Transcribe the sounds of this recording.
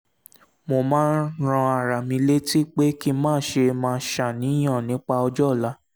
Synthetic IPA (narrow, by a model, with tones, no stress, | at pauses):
mo˨mãː˦nɾ̃ã˧a˨ɾa˨mĩ˧le˦ti˦k͡pe˦ki˧mãː˦ʃe˧mãː˧˦ʃa˨nĩ˨˦j̃ã˦˨nĩ˨˦k͡pa˧ɔ˧d͡ʒɔ˦˨la˨˦